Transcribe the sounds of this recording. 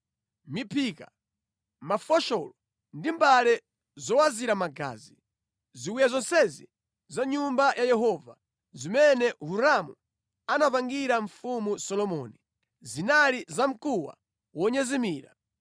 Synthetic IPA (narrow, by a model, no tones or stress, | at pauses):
mipʰika | mafɔʃɔlɔ | ndimbalɛ | zɔwaziɾamaɡa̰ːzi | ziwujazɔnsɛzi | zaɲumbajajɛɦɔva | zimɛnɛɦuɾamu | anapaŋɡiɾaɱfumusɔlɔmɔni | zinalizam̩kuwa̰ | wɔɲɛzimiːɾa̰